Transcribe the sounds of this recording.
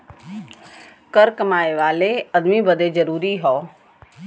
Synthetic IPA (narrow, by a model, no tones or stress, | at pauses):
kəɾkəmaːeʋaːleɐd̪mibəd̪ezəɾuːɾiɦɔː